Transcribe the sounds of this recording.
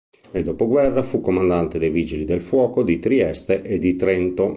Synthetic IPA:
ed̪opoɡwɛrːafukːomand̪ant̪ed̪ejvid͡ʒilid̪elfwɔːkod̪it̪ɾiɛst̪eʔed̪it̪ɾɛnt̪o

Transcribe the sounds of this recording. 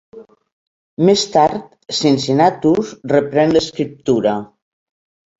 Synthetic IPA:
mest̪aɾt̪ | sinsinat̪usrəpɾɛnləskɾip̚t̪uɾa

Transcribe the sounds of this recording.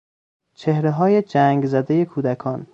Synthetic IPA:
t͡ʃʰe̞hɾeɦɒːje̞d͡ʒæːŋɡzæd̪eje̞kʰuːd̪ækʰɒːn

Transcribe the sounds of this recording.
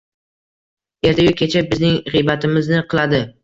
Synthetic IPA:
e̞ɾt̪ʰajʊkʰʲːet͡ʃʰabɪznɪŋʁijbat̪ɪmɪznɪqʰɨlˠad̪ɪ

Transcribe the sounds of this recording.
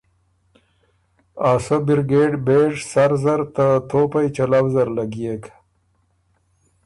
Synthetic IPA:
aːsobɪɾɡeːɖbeʐsaɾzaɾt̪at̪ʰopajt͡ʃalawzaɾlaɡijek

